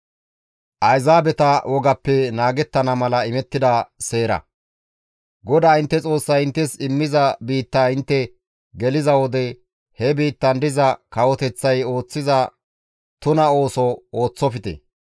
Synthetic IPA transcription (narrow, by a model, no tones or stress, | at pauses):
ʔɐjzaːbɛt̪ɐwʔɔɡɐpːɛnaːɡɛt̪ːɐnɐmɐlɐɪmɛt̪ːɪd̪ɐseːɾɐ̰ | ɡɔd̪aːɪnt̪ːɛt͡sʼo̞ːsːɐjɪnt̪ːɛsɪmːɪzɐbiːt̪ːaːɪnt̪ːɛ | ɡɛlɪzɐwɔd̪ɛ | hɛbiːt̪ːɐnd̪ɪzɐkɐwɔt̪ɛt͡sːɐjo̞ːt͡sːɪzɐ | t̪ʊnɐo̞ːsɔo̞ːt͡sːɔfɪt̪ɛ̰